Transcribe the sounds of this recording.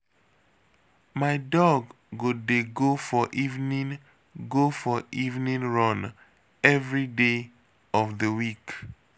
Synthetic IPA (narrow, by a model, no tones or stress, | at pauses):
maɪdɔɡː | odeɡofɔʔivnĩn | ɡofɔʔivnĩnɹɔ̃n | ɛvɹide | ɔvðəwik